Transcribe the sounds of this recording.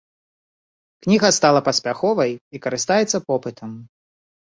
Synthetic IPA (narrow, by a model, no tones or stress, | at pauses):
knʲiɣɐst̪alˠɐpɐsʲpʲaxɔvɐjikɐɾɨst̪ajɛt̪sːɐpɔpɨt̪ʰɐm